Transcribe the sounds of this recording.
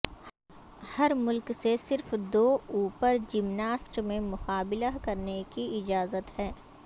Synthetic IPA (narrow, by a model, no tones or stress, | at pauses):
hɐɾmʊlksesɪɾfd̪oːuːpəɾd͡ʒimnaːsʈmẽmʊxaːbɪlakɐɾnekiɪd͡ʒaːzət̪hɛː